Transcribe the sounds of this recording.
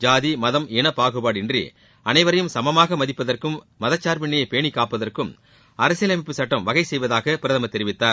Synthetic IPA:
d͡ʒaːðimɐðɐmɛnɐpaːɣɯbaːɽɪndrḭ | ɐnɐɪʋɐɾɐjɯmsɐmɐmaːɣɐmɐðɪpːɐðɐrkɯmːɐðɐt͡ʃːaːɾpɪɳːɪjɐɪpeːɳikːaːpːɐðɐrkɯm | ɐɾɐsɪjɐlɐmɪpːɯsɐʈːɐmʋɐɣɐɪsɛjʋɐðaːɣɐpɪɾɐðɐmɐt̪ːɛɾɪʋɪt̪ːaːɾ

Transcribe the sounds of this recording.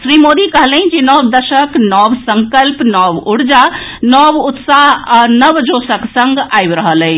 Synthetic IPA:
sɾimod̪ikəɦlĩd͡ʒenɔbd̪əʃəknɔbsəŋkəlpnɔbuɽd͡ʒanɔbut̪saɦanəbd͡ʒosəksəŋɡajbɾəɦələɪ

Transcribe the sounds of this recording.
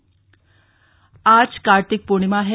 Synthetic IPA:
ad͡zkaɾt̪ik̚puɳ̃imaɦe

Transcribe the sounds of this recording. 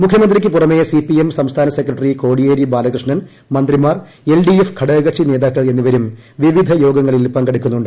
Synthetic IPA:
mukʰjɐmɐnd̪rikʲːɨpurɐmːejɐsipːiemsɐmst̪ʰaːnɐsekːrɐʈːriko̞ːɽijeːɾibaːlɐɣrɨʂɳɐn | mɐnd̪rimaːr | e̞lɖiefkʰɐɽeːɣɐʈʂineːðaːkːɐɭe̞nːiʋɐɾumʋiʋid̪ʱɐjo̞ːɡɐŋːɐɭilpɐŋɡɐɽukʲːunːuɳɖ

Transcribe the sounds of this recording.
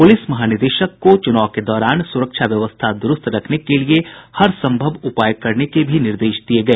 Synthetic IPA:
pʊlɪsmɐɦaːnɪɾd̪eːʃəkːot͡ʃʊnaːʋked̪ɔːɾaːnsʊɾəkʃʰaʋjɐʋəst̪ʰad̪ʊɾʊst̪ɾɐkʰnekeliehɐɾsɐ̃mbʱəʋʊpaːjkɐɾnekebʱinɪɾd̪eːʃd̪ieɡɐeː

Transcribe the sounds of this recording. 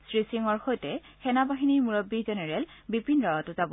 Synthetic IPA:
sɹisiŋɔɹxojtɛ | xɛnabaɦiniɹmuɹɔbːizɛnɛɹɛlbipinɹawatʊzabɔ

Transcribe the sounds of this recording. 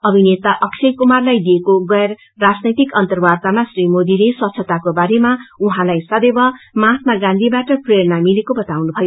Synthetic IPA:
ʌbʱinet̪aʔʌksʰekumarlajd̪ijekoɡʌer | rad͡znʌjt̪ikʌnt̪ʌrbart̪amasrimod̪ileswʌt̪t͡sʰʌt̪akobaɾemauɦãlajsʌd̪ebʌmãt̪maɡãnd̪ʱibaʈʌpreɾnamilekobʌt̪awnubʱʌjo

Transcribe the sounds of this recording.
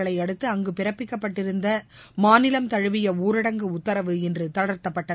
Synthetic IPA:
ɐɭɐɪɐɽɯt̪ːɯɐŋɡɯpɪɾɐpːɪkːɐpːɐʈːɪɾɯnd̪ɐmaːnɪlɐmt̪ɐɻɯʋɪjɐuːɾɪɽɐŋɡɯʊt̪ːɐɾɐʋɯɛndrɯt̪ɐɽɐɾt̪ːɐpːɐʈːɐ

